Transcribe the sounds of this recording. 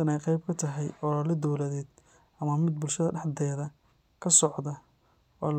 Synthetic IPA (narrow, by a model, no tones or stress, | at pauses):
ɐnɛjqɑjb̚kʰɐt̪ʰɐɦɛjɔɾɐlɛd̪ɔwlɐðɛːd̪ | ɐmɐmɪd̪̚bʊlʃɐðɐɖɑħd̪ɛːðɐ | kʰɐsɔʕd̪ɐ | ʔɔːl